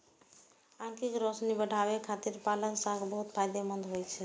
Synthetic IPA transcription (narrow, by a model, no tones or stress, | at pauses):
ãŋkikɾosnibəɽʱaʋekʰat̪iɾpaləksakbəɦut̪pʰajd̪emənd̪ɦojt͡ʃʰɛ